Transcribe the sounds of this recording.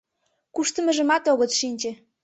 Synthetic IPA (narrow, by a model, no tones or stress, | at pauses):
kuʃt̪ə̆mə̆ʒə̆mɑt̪oɣə̆t͡sʃinʲt͡ɕĕ